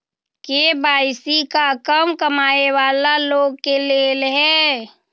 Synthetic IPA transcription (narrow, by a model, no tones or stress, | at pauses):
kebaːɪsikakəmkəmaːeʋaːlaloːɡ̚keleːlɦɛː